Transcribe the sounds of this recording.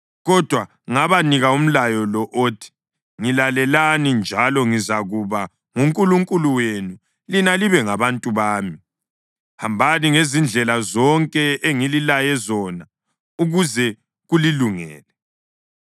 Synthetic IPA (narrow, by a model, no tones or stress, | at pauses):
ɣɔd̥ʱwa | ŋaβaniɣaum̩lajɔlɔʔotʰi̥ | ŋilalɛlanind͡ʒʱalɔŋizaɣuβa | ŋuŋkʼuluŋkʼuluwenu | linaliβɛŋaβantʼuβaːmi | hambʱaniŋezind͡ɮʱɛlazɔŋkʼɛeŋililajɛzɔna | uɣuzɛ | ɣuliluŋɛ̰ːlɛ